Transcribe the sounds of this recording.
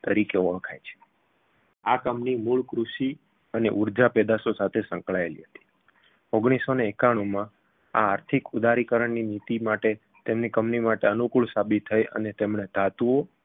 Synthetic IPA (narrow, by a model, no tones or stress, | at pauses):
t̪əɾikeoəkʰajt͡ʃʰe̥ | akəmnimuɭkɾuʃi | əneʔuɾd͡ʒapɛd̪asosat̪ʰesə̃ŋkɭaelḭɦət̪i̥ | oɡɽ̃isoneːkaɽ̃umã | a̰ːɾt̪ʰikud̪ʱaɾikəɾəɳninit̪imaʈe | t̪emnikəmnimaʈeənukuɭsabit̪ʰːəjʔə̰net̪emɳed̪̥ʱat̪uo